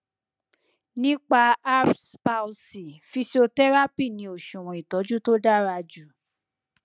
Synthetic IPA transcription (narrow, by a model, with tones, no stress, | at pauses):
nĩ˦k͡pa˧a˦spa˧u˧si˨fi˧so˧tɛ˦ɾa˦pi˦˨nĩ˨˦o˨ʃũ˨w̃ɔ̃˨i˨tɔ˨˦d͡ʒu˦to˦da˦ɾa˧d͡ʒu˨